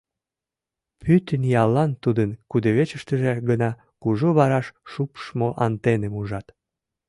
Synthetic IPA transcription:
pyt̪ənjɑlːɑnt̪ud̪ənkud̪əβet͡ɕəʃt̪əʒeɡənɑ | kuʒoβɑɾɑʃʃupʃmoʔɑnt̪enemuʒɑt̪

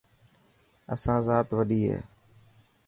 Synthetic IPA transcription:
əsãːzaːt̪ʋəɗiːɦḛː

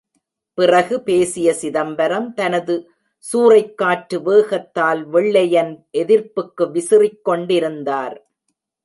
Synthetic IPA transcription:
pɪrɐɣɯpeːsɪjɐsɪðɐmbɐɾɐmt̪ɐnɐðɯ | suːrɐɪkːaːʈɾɯʋɯːɣɐt̪ːaːlʋɛɭːɐjɐnʔɛðɪɾpɯkːɯʋɪsɪrɪkːɔɳɖɪɾɯnd̪aːɾ

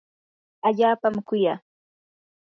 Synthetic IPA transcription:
aʎaːpamkʊjaː

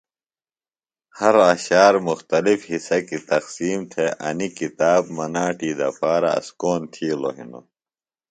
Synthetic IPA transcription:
hɐɾɐɕaːɾmuxt̪ɐlifhisɐkit̪ɐqsiːmt̪ʰeʔɐnikit̪aːbmɐnaːʈiːd̪ɐ̰faːɾɐ̰ɐ̰skoːnt̪ʰiːlo̰ɦḭno̰

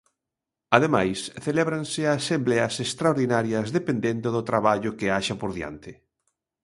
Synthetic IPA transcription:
aðemajsθelɛβɾansɪaːsemblɛɐsest̪ɾaoɾðinaɾjɐzðepend̪end̪ʊðʊt̪ɾaβaʎʊkɪaʃapoɾðja̰nt̪ɪ

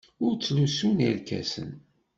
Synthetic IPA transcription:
ʊɾt͡sːlusuniɾkæ̰sə̰n

